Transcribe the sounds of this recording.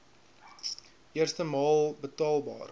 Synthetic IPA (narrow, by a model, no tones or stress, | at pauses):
ʔiərstəmɑːlˠbətɑːlˠbɑ̰ːr